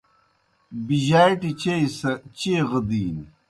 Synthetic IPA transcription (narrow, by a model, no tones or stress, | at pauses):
biʑaːjʈit͡ɕejsɐt͡ɕeːʁəd̪iːn